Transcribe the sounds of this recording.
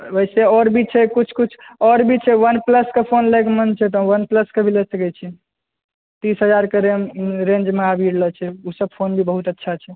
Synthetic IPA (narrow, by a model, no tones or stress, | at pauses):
əjseɔɾbʱit͡ʃʰɛkut͡ʃʰkut͡ʃʰɔɾbʱit͡ʃʰɛʋənpləskepʰonlekemənt͡ʃʰɛt̪ɔ̃ʋənpləskebʱilesəkɛt͡ʃʰi | t̪isɦəd͡ʒaɾkeɾeɾẽnd͡ʒmeabʱiɽlət͡ʃʰɛusəb̚pʰonbʱibəɦut̪ətːʃʰat͡ʃʰɛ